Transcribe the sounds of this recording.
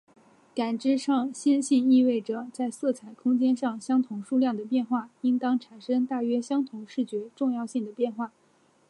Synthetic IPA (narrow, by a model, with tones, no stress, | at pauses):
ka˨˩nʈ͡ʂɻ̩˥ʂɑ˥˧ŋɕi˥nɕi˥˧ni˥˧we˥˩ɪʈ͡ʂɤ˨˩t͡sa˥˧ɪsɤ˥˩t͡sʰa˨˩ɪkʰʊ˥ŋt͡ɕjɛ˥nʂɑ˥˩ŋɕjɑ˥ŋt̪ʰʊ˧˥ŋʂu˥˧ljɑ˥˩ŋd̪ə˩pjɛ˥˧nxwa˥˩i˥ŋt̪ɑ˥ŋʈ͡ʂʰa˨˩nʂɤ˥ŋt̪a˥˩ɥɛ˥ɕjɑ˥ŋt̪ʰʊ˧˥ŋʂɻ̩˥˩t͡ɕɥɛ˧˥ʈ͡ʂʊ˥˧ŋjɑ˥˧ʊɕi˥˩ŋd̪ə˩pjɛ˥˧nxwa˥˩